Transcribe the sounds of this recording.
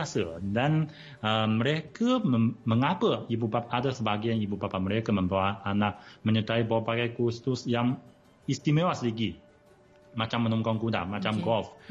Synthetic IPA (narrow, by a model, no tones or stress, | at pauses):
asədan | əːəɾekəməməŋapəibubapadasəbaɡianibubapaməɾekaməmbawaanak̚məɲət̪aibawapakajkust̪usjaŋ | ist̪imewasdiɡi | mat͡ʃamːənɔŋkɔŋkuda̰mat͡ʃamɡɔf